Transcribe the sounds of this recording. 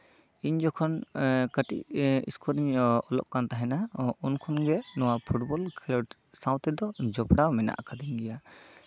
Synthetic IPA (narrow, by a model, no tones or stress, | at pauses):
iɲd͡ʒɔkʰɔnkəʈḭʔḭskɔɾiɲɔlɔ̰ʔkant̪aɦɛnaunkʰɔnɡɛnɔwapʰuʈbɔlkʰilɔʈ | saw̃t̪ɛd̪ɔd͡ʒɔpɽawmɛna̰ʔkad̪ɛɲɡɛja